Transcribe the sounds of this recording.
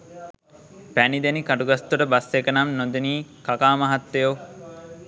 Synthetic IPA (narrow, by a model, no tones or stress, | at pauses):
pænid̪enikaʈuɡast̪uʈəbasːekənamnod̪eniːkakaːmaɦat̪ːejo